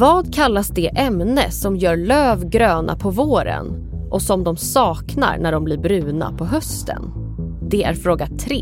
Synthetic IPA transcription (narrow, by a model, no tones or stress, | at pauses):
vɑːd̪kʰalːasd̪ɛʔɛmnəsɔmjœːɾɭøːvɡɾøːnʔa̰pʰɔvoːɾə̰n | ʔɔsɔmd̪ɔmsɑːkna̰ɾnæɖɔmblɪɾbɾʉ̟ːna̰pʰɔɦœst̪ʰə̰n | d̪ɛæ̰ɾfɾoːɡat̪ʰɾeː